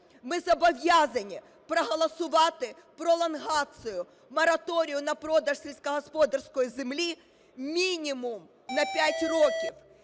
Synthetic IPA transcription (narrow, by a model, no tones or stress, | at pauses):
mɪzɐbɐʋʲjazɐnʲi | pɾɐɦɐlˠɐsʊʋat̪ɪ | pɾɔlˠɐnɦat̪sɨjʊ | mɐɾɐt̪ɔɾʲɪjʊnɐpɾɔd̪ɐʂsʲelʲskɐɦɐspɔd̪ɐrskɔjzɪmlʲi | mʲinʲimʊm | nɐpʲætʲrɔkʲif